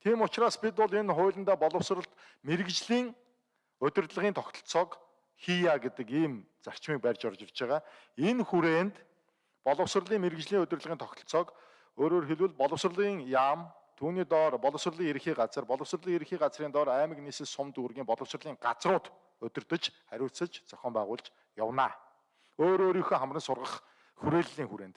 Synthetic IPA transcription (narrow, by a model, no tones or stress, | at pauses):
t̪ʰiːmʊt͡ɕraːspit̪ʊɮenχʊːɮə̆nt̪aːpɔɮə̆wsrə̆ɬt̪ | meɾɘ̆kt͡ɕɮiːŋ | ɵt̪ʲɵ̆rt̪ɮə̆ʁiːnt̪ʰɔkt̪ɞ̆ɬt͡sɔːk | xijaːɡet̪ə̆kiːm | t͡sar̥t͡ɕmiːk̚pærʲt͡ɕɔrt͡ɕɪ̆rt͡ɕæːʁaː | enxuɾeːnt̪ | pɔɮə̆ws̆rɮiːŋmeɾɘkt͡ɕɮiːŋɵt̪ʲɵ̆rt̪ɮəʁiːnt̪ʰɔkt̪ɞ̆ɬt͡sɔːk | oːɾoːrxeɮwɘ̆ɮpɔɮɞ̆ws̆rɮiːŋjaːm | t̪ʰuːniːt̪ɔːrpɔɮɞ̆ws̆rɮiːŋeɾɘ̆xiːɢat͡sə̆rpɔɮɞ̆w̥s̆rɮiːŋeɾɘ̆xiːɢat͡sriːnt̪ɔːɾæːmə̆kniːsɘ̆sʊmt̪urɣiːmpɔɮɞ̆w̥srɮiːŋɢat͡srʊːt̪ | ɵt̪ʲɵ̆rt̪ɵ̆t͡ɕχæɾʲʊːsə̆t͡ɕt͡sœ̥xʲɔːmpæːʁʊːɮt͡ɕ | jawnaː | oːɾoːɾixoːχamrə̆nsʊrʁə̆χ | xuɾeːɮːiːŋxuɾeːnt̪